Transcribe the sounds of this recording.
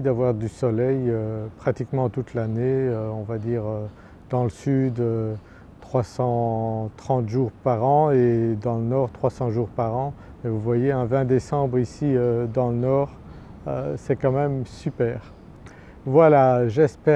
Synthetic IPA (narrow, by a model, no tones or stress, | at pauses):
id̪avwaʁd̪ysɔlɛjøpχat̪ikmɑ̃t̪ut̪laneøɔ̃vad̪iːʁø | d̪ɑ̃ləsyd̪ø | t̪χwasɑ̃t̪χɑ̃t̪ʒuʁpaʁɑ̃ed̪ɑ̃lənɔʁt̪χwasɑ̃ʒuʁpaʁɑ̃ | mɛvuvwajeɛ̃vɛ̃d̪esɑ̃bʁisiød̪ɑ̃lənɔːʁ | ø̰sɛkɑ̃mɛmsypɛːʁ | vwalaʒɛspɛ